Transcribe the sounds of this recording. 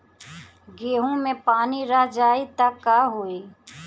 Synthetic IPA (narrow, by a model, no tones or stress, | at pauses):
ɡeːɦõmẽpaːniɾəɦd͡ʒaːit̪ɐkːaːɦoːiː